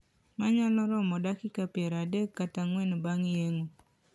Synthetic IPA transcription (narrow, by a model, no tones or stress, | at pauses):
maɲalɔɾɔmɔdakɪkapjɛɾadekːataŋwɛnbaŋjeŋo